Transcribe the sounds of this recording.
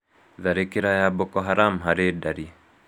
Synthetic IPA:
ðaɾekiɾajabokɔɦaɾamɦaɾedaɾi

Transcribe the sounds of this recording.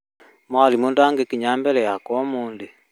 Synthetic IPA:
mwalimundaŋɡekiɲambɛlɛjakwɔmuːnde

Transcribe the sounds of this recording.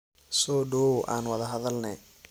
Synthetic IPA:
sɔːɖɔːwʔaːnwɐðɐɦɐðɐlnɛ

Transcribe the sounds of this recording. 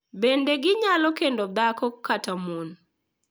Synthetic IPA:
bendeɡɪɲalɔkendod̪akɔkːatamon

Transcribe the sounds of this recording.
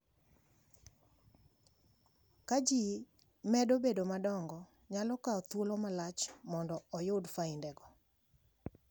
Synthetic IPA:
kad͡ʒi | mɛdobedomadɔŋɡɔ | ɲalɔkaɔt̪wolomalat͡ʃmɔndɔɔjʊdfaindɛɡɔ

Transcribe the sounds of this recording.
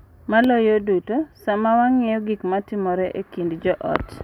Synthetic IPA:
malɔjodutosamawaŋɛjɔɡikmatɪmɔɾɛʔekindd͡ʒɔʔɔ̰t

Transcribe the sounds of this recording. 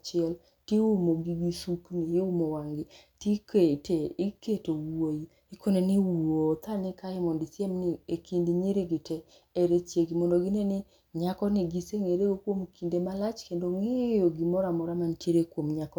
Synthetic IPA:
t͡ʃɪɛl | tiumoɡiɡisukniumowaŋɡɪtiketeiketowuwoi | ikoneniwuwot̪anɪkaɪmɔndisɛmniekindiɲiɾeɡɪtɛː | ɾet͡ʃjeɡimɔndoɡinenɪ | ɲakɔnɪɡiseŋeɾeɡokwomkʰindemalat͡ʃkendoŋejoɡimɔɾamɔɾamantjeɾekwomɲakɔ

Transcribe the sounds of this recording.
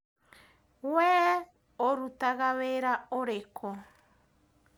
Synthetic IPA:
wɛ | oɾut̪aɣaβeɾaoɾekʰo

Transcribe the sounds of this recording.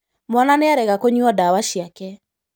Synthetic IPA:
mɔnaneaɾɛɣakoɲuɔdawaʃjakɛ

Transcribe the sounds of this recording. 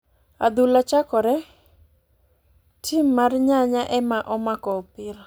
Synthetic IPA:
a̰d̪ulat͡ʃakɔɾɛ | tʰimːarɲaɲaʔɛmaʔɔmakɔpɪɾɔ

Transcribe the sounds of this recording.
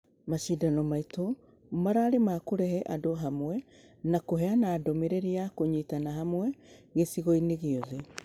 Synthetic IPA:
maʃidanɔmaito | maɾaːɾemaːkoɾɛhɛʔadoɦamwɛ | nakoɦɛanaːdomeɾeɾiakoɲiːtanaɦamwɛɣesiɣoineɣeoðe

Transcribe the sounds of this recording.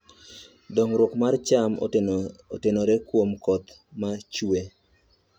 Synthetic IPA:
dɔŋɾwokmart͡ʃam | otenoɾekwomkɔt̪ | mat͡ʃwe

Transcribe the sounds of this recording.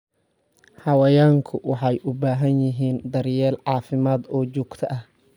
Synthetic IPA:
hɐwɐjaːŋkʰʊwɑħɑjʔʊbaːɦɐnjɪɦiːnd̪ɐɾjɛːlʕɑːfɪmaːd̪ɔːt͡ʃuːɡt̪ʰɐʔɐh

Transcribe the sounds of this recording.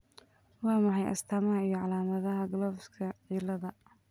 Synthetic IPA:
wɑːmɑħɑjʔɐ̰st̪ʰamɐɦɐijɔʕɑlaːmɐðɐɦɐɡlɔːfskʰɐʕiːlɐðɐ

